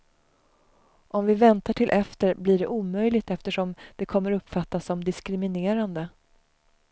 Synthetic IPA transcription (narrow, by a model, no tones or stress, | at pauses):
ʔɔmvɪvɛnt̪aʈʰɪlʔɛft̪əɾblɪɖɛʔuːmœjlɪɡt̪ɛft̪əʂɔmd̪̥ɛkʰɔmːəɾɵpːfat̪ːasːɔmd̪ɪskɾɪmɪneːɾand̪ə